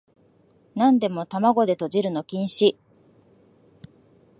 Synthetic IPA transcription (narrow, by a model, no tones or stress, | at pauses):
nãnd̪e̞mo̞t̪amaɡo̞d̪e̞t̪o̞ʑiɾɯ̟no̞kʲĩɰ̃ɕi